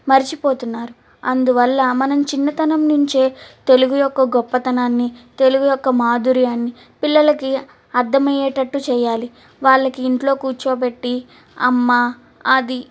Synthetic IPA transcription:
mɐɾit͡ʃipo̞ːt̪unːaːɾu | ɐnd̪uʋɐlːɐmɐnɐmt͡ʃinːɐt̪ɐnɐmnuɲt͡ʃeːt̪e̞luɡujɔkːɐɡɔpːɐt̪ɐnaːnːit̪e̞luɡujɔkːɐmaːd̪uɾijaːnːi | pilːɐlɐki | ɐɾd̪ɐmɐjɛːʈɐʈːut͡ʃɛːjaːli | ʋaːɭːɐkiːɳʈlo̞ːkuːt͡ʃoːp̬e̞ʈːi | ɐ̰mːa | ɐd̪i

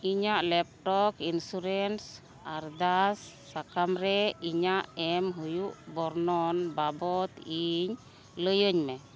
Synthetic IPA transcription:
iɲaʔlɛp̚ʈɔkinsuɾɛns | aɾd̪asːakamɾɛiɲaʔɛmɦujuʔbɔɾnɔnbabɔt̪iɲ | ləjəɲmɛ

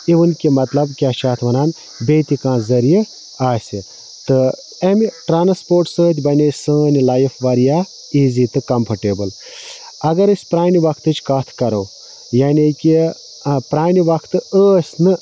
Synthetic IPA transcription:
iʋɨnkʲimɐt̪lɐbkʲaːʃʰaːt̪ʰʋɐnaːn | beːt̪ikãːzɐɾij | aːsʲɨ | t̪ɨ | emʈɾaːnspoːɾʈsəːt̪̬ʲʰbɐnʲesəːnilaːjifʰʋɐɾijaː | iːzit̪ɨkɐmpʰɐʈeːbɨl | ɐɡɐɾɨsʲpɾaːniʋɐkʰt̪ɨt͡ʃkɐt̪ʰkɐɾɐw | jaːnikʲi | pɾaːniʋɐkʰt̪ɨəːsʲnɨ

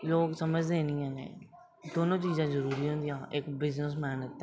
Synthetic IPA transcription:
loːɡsəməd͡ʒd̪eːnĩːə̃ːḛ̃ː | d̪oːnõːt͡ʃiːzãːzəɾuːɾiːɦõːnd̪ijãːʔɪkbɪznəs̬mɛːnɪt̪ːɛ

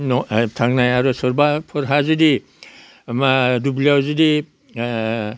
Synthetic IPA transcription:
nɔtʰaŋnajaɾɔsɔɾbapʰɔɾɦazidi | madubliawzidi

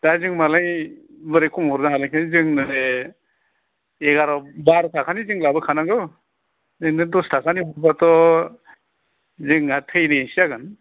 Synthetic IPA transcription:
d̥azɯŋmalaj | bɯɾekʰumhɔɾdaɦalajkʰanizɯŋnɯ | eɡaɾɔbaɾtʰakʰanizɯŋlabɯkʰanaŋɡɯw | zɯŋnɯdɔstʰakʰaniɦɔɾbatɔ | zɯŋatʰɯjnɯsiaɡɯn

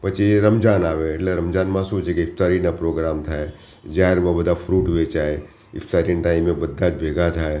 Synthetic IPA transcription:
pɐt͡ʃiɾɐmd͡ʒaːnaːʋeɐʈleɾɐmd͡ʒaːnmaːsuːt͡ʃekeɪft̪aːɾinapɾoːɡɾaːmt̪ʰaɛ | d͡ʒaːɾmẽbɐd̪afʰɾuːʈɦet͡ʃaːe | ɪ̰fʰt̪aːɾinʈaːɪmːẽbɐd̪ʱːaːt͡ʃbʱeːɡat͡ʃʰaːe

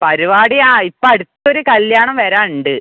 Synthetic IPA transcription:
pɐɾiʋaːɽijaːipːoːɐɽut̪ːo̞ɾukɐljaːɳɐmʋɐɾaːnuɳɖɨ

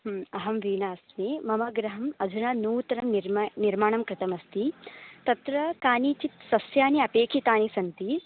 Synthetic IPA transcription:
ɐɦɐmʋiːnaːsmimɐmɐɡɾɐɦɐmɐd͡ʒʱunaːnuːt̪ɐɾɐmnɾniɾmaːɳɐmkɾɪt̪ɐmɐst̪it̪ɐt̪ɾɐkaːniːt͡ʃit̪sɐsjaːniɐpeːkʰit̪aːnisɐnt̪i

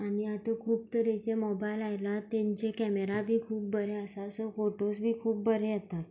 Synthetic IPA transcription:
añiat̪okʰuːp̚t̪əɾet͡ɕemɔbajlajlat̪ẽɲt͡ɕekɛmeɾabʱiːkʰuːp̚bəɾeəsasofoʈosbʱiːkʰuːp̚bəɾeət̪a

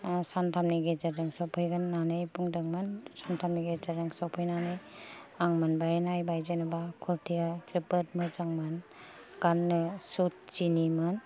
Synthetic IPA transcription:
santʰamniɡed͡ʒadaŋsɔpʰɯjɡanːanɯjbuŋdɯŋmɯnsantʰamniɡed͡ʒadɯŋsɔpʰɯjnanɯjaŋmanbajnajbajd͡ʒenɯbakʰuɾtʰijatipɯtmɯd͡ʒaŋmɯn | ɡ̥anːɯsut̚t͡ʃinimɯn

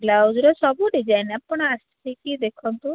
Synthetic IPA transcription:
ɡlawd͡ʒɾɔsɔbuɖid͡ʒajneapːɔɳ̃astʰikid̪ekʰɔnt̪u

